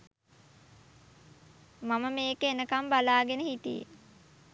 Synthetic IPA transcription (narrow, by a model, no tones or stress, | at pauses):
maməmeːkəenəkambalaːɡenəhit̪ḭjḛ